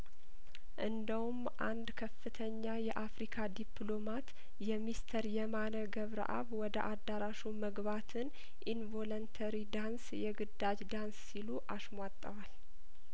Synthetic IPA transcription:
ʔɨnd̪əwum | ʔa̰nd̪kʰəfːɨt̪ʰəɲːajɛʔafɾikʰad̪iplo̞mat̪ | jɛmist̪ʰəɾjɛmanəɡəβɾə̰ʔa̰βwɔd̪əʔad̪ːaɾaʃuməɡβat̪ʰɨn | ʔinvolont̪ʰəɾid̪ansjɛɡɨd̪ːad͡ʒd̪ansːiluʔaʃmʷat̪ʼːəwal

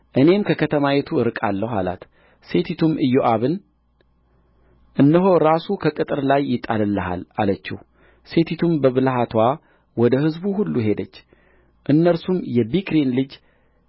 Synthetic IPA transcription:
ʔɨne̞mkʰəkʰət̪ʰəmawet̪ʰuɨɾɨkʼalːəha̰la̰t̪ | se̞t̪ʰit̪ʰumɨjːoʔaβɨn | ʔɨnːəɦo̞ɾasukʰəkʼɨt̪ʼɨɾlajːɪt̪ʼːalɨlːəɦa̰lalət͡ʃːɪ̰h | se̞t̪ʰit̪ʰumbəβɨlɦat̪ʰwa | wɔd̪əhɨzbuɦulːuɦe̞d̪ət͡ʃː | ʔɨnːəɾsumjɛbikɾenlɨd͡ʒ

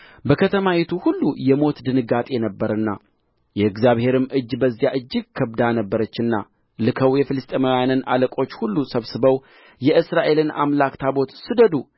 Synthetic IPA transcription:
bəkʰət̪ʰəmajit̪ʰuhulːujɛmo̞t̪d̪ɨnɨɡat̪ʼenəbːəɾɨnːa̰ | jɛɨɡzjaβhe̞ɾɨmʔɨd͡ʒːbəzːijaʔɨd͡ʒːɪɡ̚kʰəβd̪anəbːəɾət͡ʃːɨnːa̰ | lɨkʰəwjɛfɨlɨst̪ʼemawjanɨnʔa̰ləkʼo̞t͡ʃːhulːusəβsɨβəw | jɛʔɨsɾaʔe̞lɨna̰mlakt̪ʰabo̞t̪sɨd̪əd̪u

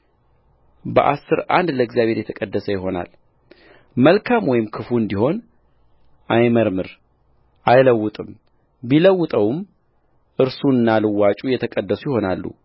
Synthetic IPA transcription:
bə̰ʔa̰sːɨɾa̰nd̪ləɡzjaβhe̞ɾjɛt̪ʰəkʼəd̪ːəsəjɪɦo̞na̰l | məlkʰamwɔjɪmkʰɨfuɨnd̪iho̞n | ʔajməɾmɨɾ | ʔajləwːʊt̪ʼɨm | biləwːʊt̪ʼəwm | ʔɨɾsuɨnːalɨwːat͡ʃʼujɛt̪ʰəkʼəd̪ːəsujɪho̞nalːṵ

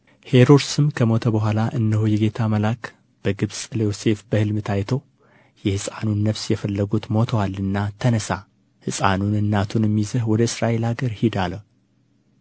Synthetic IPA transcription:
he̞ɾoɾsɨmkʰəmo̞t̪ʰəbəɦʷalaʔɨnːəɦojɛɡe̞t̪ʰaməlak | b̥əɡɨβsʼlejose̞fbəhɨlmɨt̪ʰajt̪ʰow | jɛhɨsʼanunːəfsjɛfəlːəɡut̪mo̞t̪ʰəwalːɨnːat̪ʰənəsa | hɨsʼanunɨnːat̪ʰunɛmːizəhwɔd̪əɨsɾaʔe̞laɡəɾhid̪alə

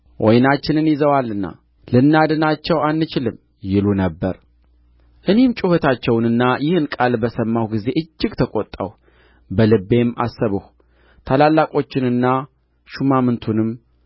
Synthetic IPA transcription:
ʔɔjnat͡ʃːɪnɨnjɪzəwalːɨnːa̰ | lɨnːad̪ɨnat͡ʃːɛwanːɨt͡ʃɪlɨm | jɪlunəbːəɾ | ʔɨne̞mt͡ʃʼuhot̪ʰat͡ʃːɛwnɨnːajɪhɨnkʼalbəsəmːahwɡize̞ʔɨd͡ʒːɪɡt̪ʰəkʼot̪ʼːə̰w | bəlɨbe̞mːa̰sːəβɨh | t̪ʰalalːakʼo̞t͡ʃːɪnɨnːa | ʃumamɨnt̪ʰunɨm

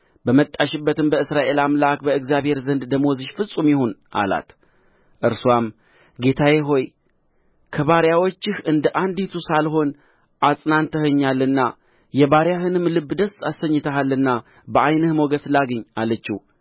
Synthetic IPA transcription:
bəmət̪ʼːaʃɪbːət̪ɨmbəɨsɾaʔe̞lamlakbəɨɡzjaβhe̞ɾzənd̪d̪əmwɔzɨʃfɨsʼumjɪhonʔa̰la̰t̪ | ʔɨɾswam | ɡe̞t̪ʰajeɦo̞j | kʰəβaɾjawot͡ʃːɪhɨnd̪əʔand̪it̪ʰusalho̞n | ʔasʼnant̪ʰəhɨɲːalːɨnːa | jɛβaɾjahɨnɨmlɨbːd̪əsasəɲːɨt̪ʰəɦalːɨnːa | bəajnɨhmoɡəslaɡɨɲːalət͡ʃːi

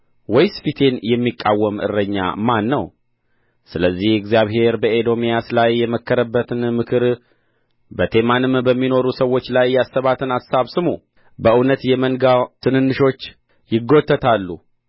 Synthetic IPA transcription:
wɔjspit̪ʰe̞njɛmːikʼːawːəmʔɨ̰rːəɲːa̰manːəw | sɨləzːihɪɡzijaβhe̞ɾbəed̪o̞mijaslajːɛməkʰːəɾəbːət̪ʰɨnmɨkʰɨɾ | bət̪ʰe̞manɨmbəmːino̞ɾusəwo̞t͡ʃːlajːasːəβat̪ʰɨnasaβsɨmu | bəʔɨnət̪jɛməŋɡat̪ʰɨnɨnːɨʃo̞t͡ʃː | jɪɡːo̞t̪ʰːət̪ʰalːṵ

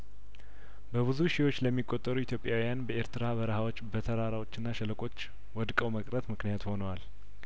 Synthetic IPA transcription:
bəβɨzuʃiwo̞t͡ʃːləmːikʼːot̪ʼːəɾuit̪ʰjo̞pʼjawijanbəʔeɾt̪ɨɾaβəɾəhawot͡ʃːbət̪ʰəɾaɾawo̞t͡ʃːɨnːaʃɛləkʼo̞t͡ʃː | wɔd̪kʼəwməkʼɾət̪mɨknijat̪ho̞nəwal

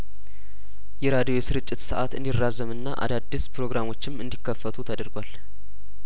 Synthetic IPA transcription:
jɛɾad̪ijo̞jɛsɨɾɨt͡ʃʼːɪt̪sɨʔa̰t̪ɨ̰nd̪irːazəmɨnːaʔa̰d̪ad̪ːispʰɾo̞ɡɾamo̞t͡ʃːɪmɨnd̪ikʰːəfːət̪ʰut̪ʰəd̪əɾɡʷal

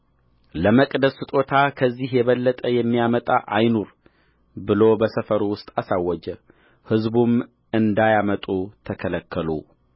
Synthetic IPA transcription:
ləməkʼd̪əsɨt̪ʼo̞t̪ʰakʰəzːihjɛβəlːət̪ʼəjɛmːijamət̪ʼa̰ʔajnoɾ | bɨlobəsəfəɾuwʊst̪ʼasawːəd͡ʒɛ | hɨzbum | ɨnd̪ajamət̪ʼut̪ʰəkʰələkʰːəlo̰

